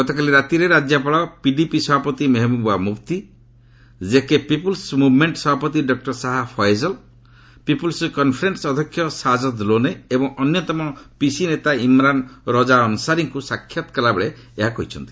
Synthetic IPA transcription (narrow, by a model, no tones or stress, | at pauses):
ɡɔt̪ɔkaliɾat̪iɾeɾad͡ʒjapaɭɔpiɖipisɔbʱapɔt̪imeɦmubuamupt̪i | d͡ʒekepipulsmubʱmeɳʈsɔbʱapɔt̪iɖɔk̚ʈɔɾsaɦapʰɔjzɔl | pipulskɔnpʰɔɾensɔd̪ʱɔkʰːjɔsad͡ʒɔd̪loneebɔŋɔnjɔt̪ɔmɔpisinet̪aimɾanɾɔd͡ʒaɔnusaɾiŋkusakʰːjat̪kɔlabeɭe | eɦakɔɦit͡ʃʰɔnt̪i̥